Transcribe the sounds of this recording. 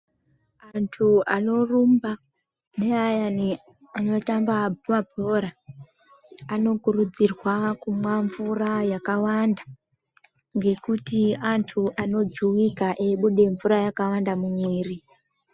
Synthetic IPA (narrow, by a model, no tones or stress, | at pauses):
antʰuano̞rumba | neajani | ano̞tambamabʱo̞ɾa | no̞kurud͡zirwakumwaɱvurajakawanda | ŋɡe̞kutiantʰuʔano̞d͡ʒuwikaʔeɓuɗe̞ɱvuɾajakawandamuɲiːri